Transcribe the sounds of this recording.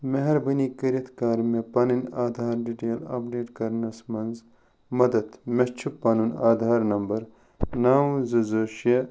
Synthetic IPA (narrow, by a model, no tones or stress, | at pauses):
meɦɐɾbɐnikɐɾɐt̪ʰkaːɾmepɐːninaːd̪ʱaːɾɖiʈeːlɐ̰pɖeːʈkɐɾnɐsmɐnz | mɐd̪ɐd̪mɐt͡ʃʰupːaːnunaːd̪ʱaːɾnɐmbɐɾ | naːwũzɐzoːʃɐ